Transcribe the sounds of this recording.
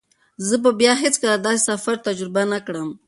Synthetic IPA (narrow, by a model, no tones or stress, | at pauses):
zəbəbjɑɦet͡skəlad̪ɑse̥safaɾt̪ad͡ʒɾɪbanakɽəm